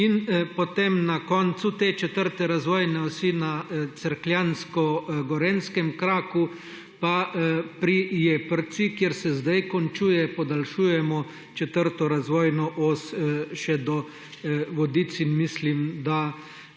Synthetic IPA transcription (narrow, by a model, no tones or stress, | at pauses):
inpɔt̪emnakɔnt̪sut̪eːt͡ʃɛt̪əɾt̪ɛɾazʋɔːjnɛɔsinat̪t͡s̪əɾkljanskɔɡɔɾɛnskɛmkɾaːku | papɾijeːpəɾt̪sikjeɾsɛzd̪ajkɔnt͡ʃuːjɛpɔd̪alʃuːjɛmɔ | t͡ʃɛt̪əɾt̪ɔɾazʋɔːjnɔʔɔsʃɛd̪ɔ | ʋɔd̪it̪t͡s̪inmislimd̪a